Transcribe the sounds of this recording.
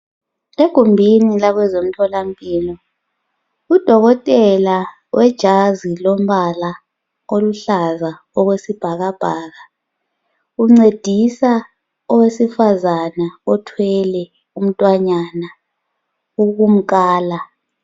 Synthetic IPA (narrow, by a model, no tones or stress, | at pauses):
eɡ̥ʱumbʱinilaɣwɛzom̩tʰɔlampʼiːlɔ | ud̥ʱɔɣɔtʼɛla | wʔɛd̥ʒ̥ʱazilɔm̩βala | oluɬaza | ɔɣwesib̥ʱaɣab̥ʱaːɣa | uŋ͡ǀed̥ʱisa | ɔwesifazanaɔtʰwɛlɛ | um̩tʼwaɲana | uɣum̩kʼaːla